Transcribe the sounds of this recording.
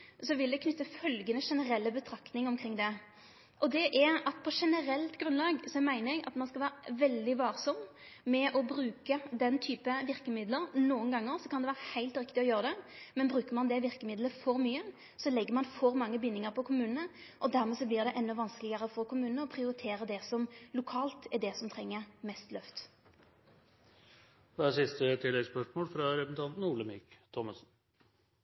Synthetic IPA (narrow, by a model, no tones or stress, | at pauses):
sɔʋɪld̪ɛkʰnʏt̪ːəfœlɡənəʂɛnəɾɛlːəbət̪ʰɾɑkt̪nɪŋɔmkʰɾɪŋːd̪ɛ | ʔɔd̪ɛʔɛɑt̪̚pʰɔʂɛnəɾɛlt̪ɡɾʉnlɑːɡsɔmæɪnɾɛɡɑ̰t̪mɑnskɑlʋæːɾəʋɛld̪ɪʋɑːɾsɔmː | mɛʔɔbɾʉːkəd̪ɛnːt̪ʰyːpəʋɪɾkəmɪd̪ləɾnuːənɡɑŋːəɾsɔkʰɑnd̪ɛʋæːʁəhæɪlt̪ɾɪkt̪ɪɔjøːɾəd̪ɛmɛnbɾʉːkəɾmɑnd̪ɛʋɪʁkəmɪd̪ləfɔɾmyːə | sɔlɛɡːəɾmɑnfɔɾmɑŋːəbɪnːɪŋəɾpʰɔkʰʊmʉːnnə | ʔɔd̪æɾmɛsɔblɪʁd̪ɛʔɛnːɔʋɑnskəlɪɡəʁəfɔʁkʰʊmʉːnnəɔpʰʁɪʊɾɪt̪ʰeːɾəd̪ɛsɔmlʊkʰɑːlt̪ɛd̪ɛsɔmt̪ʰʁɛŋːəʁmɛst̪lœft̪ | ʋæːsɪst̪ət̪ʰɪlːɛɡspœʂmoːlfɾɑɾɛpsn̩t̪ʰɑnt̪n̩uːɭəmɪkt̪ʰɔmɑsn̩